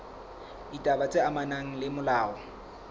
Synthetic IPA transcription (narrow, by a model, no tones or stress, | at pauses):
itʼabat͡sʼɪamanaŋ̩lɪmʊlaːɔ